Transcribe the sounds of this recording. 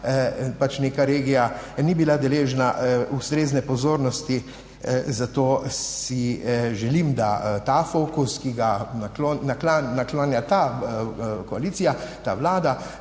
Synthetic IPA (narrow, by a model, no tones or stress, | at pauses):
pat͡ʃnekaɾeːɡijanibilad̪ɛleːʒnaust̪ɾeːznɛpɔzoːɾnɔst̪i | zat̪oːsiʒɛlimd̪at̪afokuskiɡanaklonnaklannaklanjat̪a | kɔaliːt̪sijat̪aːʋlaːd̪a